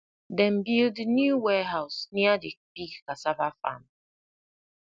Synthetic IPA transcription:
dɛm̩bildnjuwɛɦaʊsniadibikkasavafa̰m

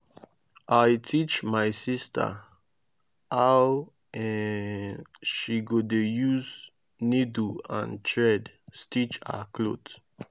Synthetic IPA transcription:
ʔajtʰit͡ʃmajsistə̰ | haw | ɛ | ʃiɡodejuz | niduã̰ntʰɹɛd | stit͡ʃa̰kʰlot

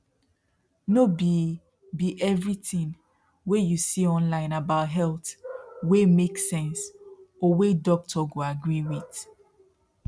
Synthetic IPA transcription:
nobi | biʔɛvɹitĩŋ | wejusiɔ̃nlãɪ̃nabaʊtɦɛlˠtwemeksɛ̃nsɔwedɔk̚tʰɔɡoaɡɹiwiθ

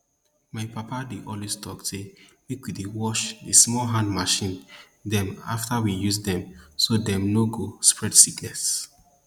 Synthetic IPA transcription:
maɪpapadeʔɔlwestɔkse | wikudiwɔʃdismɔlɦãndmaʃĩn | dɛ̃ma̰ftawijusdɛ̃msodɛ̃mnoɡospɹɛdsiknɛs

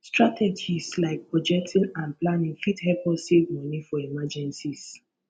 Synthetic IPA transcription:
stɹatʰɛd͡ʒislaɪk̚pɹɔd͡ʒɛk̚tʰĩnãnplanĩŋfithɛpɔsevmɔnifɔimad͡ʒɛ̃nsis

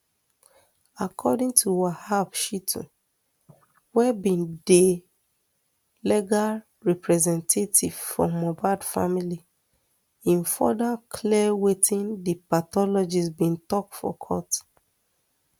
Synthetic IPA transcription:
akʰɔdĩŋtʰuwahabʃitʰɔ̰̃ | wɛbĩnde | lɛɡal | ɹɛpɹɛzɛ̃ntʰetʰiv̥fɔ̰mɔbadfamili | ĩnfɔ̰dakʰliwetĩndipatɔlɔd͡ʒisbĩntɔk̚tfɔ̰kʰɔ̰t

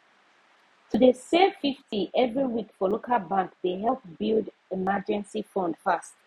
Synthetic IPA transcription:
tʰudəsefiftiʔɛvɹiwikfɔlokʰalˠbãŋkdeɦɛlˠpbilˠd | ɛmad͡ʒɛ̃nsifɔ̃nd̥fast

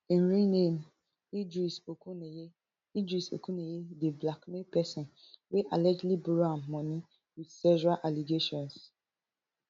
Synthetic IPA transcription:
in̩ɾinem̩ | id͡ʒɾisokuneje | id͡ʒɾiso̰kunejedeblakmepɛsɔ̃n | weʔalɛd͡ʒlibɾamːɔni | widsɛʒɔɾalʔaliɡeʃɔ̃ns

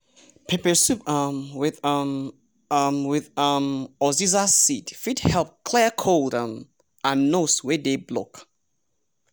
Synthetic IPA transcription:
pʰepəsupʌmwɪðm | mwɪðʌmɔzizasitfidhɛlˠp̚kʰl̥ɛəkʰoldə̃m | ãnːoswɛdeblo̰k

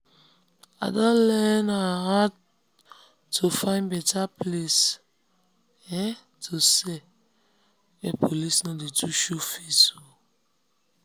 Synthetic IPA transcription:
adɔ̃lɛnahat | ofãɪ̃nbɛtʰaples | ɛ | tʰose | epʰolisnɔdetʰuʃufeso

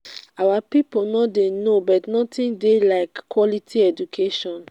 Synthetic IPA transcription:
awapiponɔdenobɔtnɔtʰĩndelaɪkːwɔlitʰiɛd͡ʒukʰeʃɔ̃n

